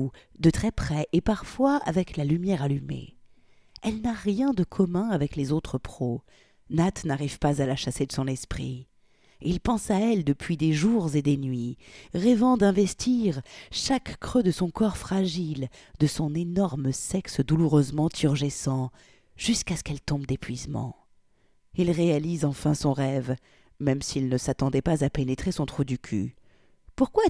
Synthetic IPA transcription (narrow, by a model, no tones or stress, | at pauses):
ud̪ət̪χɛpχɛʔepaʁfwaa̰vɛklalymjɛʁalymḛ | ɛlnaʁjɛ̃d̪əkʰɔmɛ̃avɛklezot̪χəpχo | nat̪naʁivpazalaʃased̪əsɔ̃nɛspχḭ | ilpɑ̃saɛld̪əpɥid̪eʒuʁzed̪enɥiʁɛvɑ̃d̪ɛ̃vɛst̪ʰiʁʃakːχød̪əsɔ̃kɔʁfχaʒil | d̪əsɔ̃nenɔʁməsɛksd̪uluʁøzmɑ̃t̪ʰyʁʒesɑ̃ | ʒ̥yskaskɛlt̪ɔ̃bd̪epɥizmɑ̰̃ | ilʁealizɑ̃fɛ̃sɔ̃ʁɛv | mɛmsilnəsat̪ɑ̃d̪ɛpazapenet̪χesɔ̃t̪χud̪ykʲʰy̰ | puʁkwa